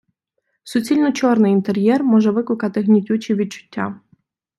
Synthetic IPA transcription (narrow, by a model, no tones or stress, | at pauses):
sʊt͡sʲilʲnɔt͡ɕɔrnɨint̪eɾʲjɛrmɔʒɛʋɪkʊkɑt̪ɪɣnʲitʲut͡ɕiʋʲit̪̚t͡ʃʊ̥tʲːɑ̰